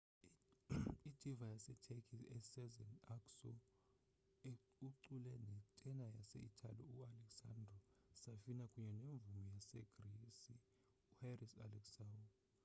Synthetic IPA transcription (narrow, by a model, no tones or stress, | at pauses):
id̥ʱivajasɛtʰekʰʼiɛsɛzɛnaksɔ̰ | e | uǀulɛnɛtʼɛnajasɛ̰itʰa̰liualɛksa̰ndrɔsafinakʼuɲɛneɱb̪vumijasɛɡ̥resi | uharisa̰lɛksau